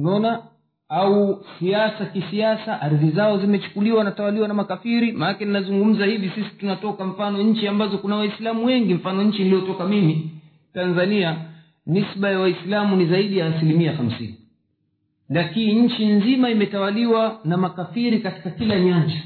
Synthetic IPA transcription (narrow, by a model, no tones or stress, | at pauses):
naɔna | ausiasakisiasaʔaɾðizaɔzimɛt͡ʃu̥kuliwanatawaliwanamakafiɾimanakɛninazuŋɡum̩zahivisisi̥tunatɔkam̩fanɔɲ̩t͡ʃiambazɔkunawaislamuwɛŋɡim̩fanɔɲ̩t͡ʃiniliɔtɔkamimi | tanzania | misɓajawaislamunizaiɗijaːsilimiaxam̩sḭni | lakiniɲ̩t͡ʃinzimaimɛtawaliwanamakafiɾikati̥kakilaɲand͡ʒa